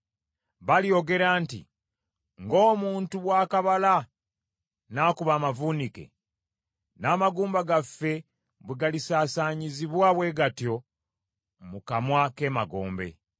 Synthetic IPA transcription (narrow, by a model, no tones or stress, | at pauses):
βalijo̞ɡe̞ɾaːntḭ | ŋɡo̞ːmuːntuβwaːkaβala | naːkuβaːmavunike̞̰ | naːmaɡuːmbaɡafːe̞ | βweɡalisaːsaɲiziβwaːβwe̞ːɡatjo̞ | mukamwake̞ːmaɡo̞̰ːmbe̞̰